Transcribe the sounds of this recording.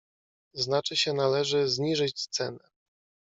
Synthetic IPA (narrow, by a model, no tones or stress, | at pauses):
znat͡ʂɘɕɛnalɛʐɘzɲiʐɘt͡ɕst̪sɛnɛ